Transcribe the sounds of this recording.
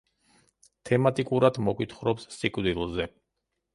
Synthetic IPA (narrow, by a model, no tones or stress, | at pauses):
t̪ʰɛmat̪ʼikʼuɾad̪mɔkʼwit̪ʰχɾɔpsːikʼvd̪ilˠzɛ